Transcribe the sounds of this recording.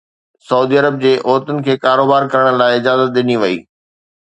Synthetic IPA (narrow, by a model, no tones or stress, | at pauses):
sɐuːd̪iɐɾəb̚d͡ʑeːʔoːt̪ʊnɪ̆kʰeːkaːɾoːbaːɾkɐɾəɽ̃ə̆laːɪɪd͡ʑaːzət̪̚ɗɪniʋɐḭː